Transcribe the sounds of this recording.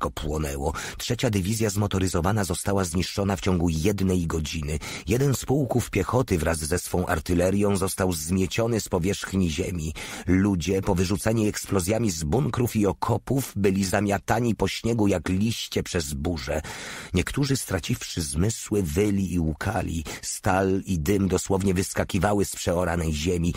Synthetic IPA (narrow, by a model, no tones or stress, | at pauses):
kɔpwɔnɛwɔtʂɛt͡ɕad̪ɘvʲizʲjazmɔt̪ɔɾɘzɔvanazɔst̪awazɲiʂt͡ʂɔnaft͡ɕɔŋɡujɛd̪nɛjɡɔd͡ʑinɘ | jɛd̪ɛnspuwkufpʲjɛxɔt̪ɘvɾazːɛsfɔ̃ʔa̰ɾt̪ɘlɛɾʲjɔ̃w̃zɔst̪awzmʲjɛt͡ɕɔnɘspɔvʲjɛʂxɲiʑemʲilud͡ʑɛpɔvɘʐut̪saɲiɛksplɔzʲjamʲizbuŋkɾufiɔkʰɔpuvbɘlʲizamʲjat̪aɲipɔɕɲɛɡujaklʲiɕt͡ɕɛpʂɛzbuʐɛɲɛkt̪uʐɘst̪ɾat͡ɕifʂɘzmɘswɘvɘlʲiːukʰa̰lʲḭst̪alid̪ɘmd̪ɔswɔvɲɛvɘskakʲivawɘspʂɛɔɾanɛjʑemʲi